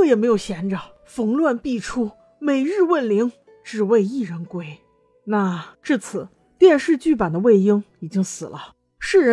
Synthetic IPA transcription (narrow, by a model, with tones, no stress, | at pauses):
ɤ˥˩jɛ˨˩me˧˥ɪjʊɕjɛ˧˥nʈ͡ʂə˨˩ | fɤ˧˥ŋlwa˥˧npi˥˩ʈ͡ʂʰu˥ | me˨˩ɪɻɻ̩˥˧wə˥˩nli˧˥ŋ | ʈ͡ʂɻ̩˨˩we˥˧ɪi˥˩ɻə˧˥nkwe˥˩ɪ | na˥˧ʈ͡ʂɻ̩˥˩t͡sʰɹ̩˨˩˦ | t̪jɛ˥˧nʂɻ̩˥˧t͡ɕy˥˩p̬a˨˩nd̪ə˦we˥˩ɪi˥ŋi˨˩t͡ɕi˥ŋsɹ̩˨˩lə˦ | ʂɻ̩˥˩ɻə˧˥